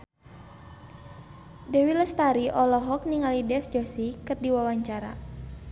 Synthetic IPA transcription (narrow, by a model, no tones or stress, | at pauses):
dɛwiləst̪aɾiʔɔlɔɦɔk̚niŋalidɛfd͡ʒɔsikɨrdiwawaɲt͡ʃaɾa̰